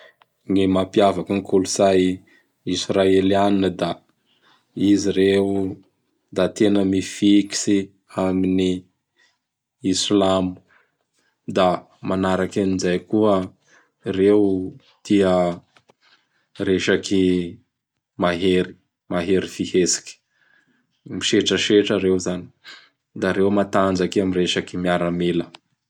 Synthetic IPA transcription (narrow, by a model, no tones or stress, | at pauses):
ŋimapiavakaŋikʰuluzaj | israelianinəd̪a | iziɾeu | d̪at̪enəmifiki̥si | amini | islamu̥ | d̪a | manaɾakaninzajkuə | rew | t̪iə | reʃaki | maɦeɾi̥ | maɦeɾifihesi̥kʲi̥ | miʃeʈ͡ʂəʃeʈ͡ʂəɾewzani̥ | d̪aɾewmat̪and͡ʒakeamireʃakimiaɾamilə